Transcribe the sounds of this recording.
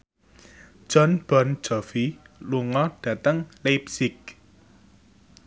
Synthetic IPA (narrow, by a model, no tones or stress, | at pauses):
ʒ̥ɔnb̥ɔn̥d͡ʒ̥ɔfiluŋɔɖ̥ä̤t̪əŋlepsɪk̚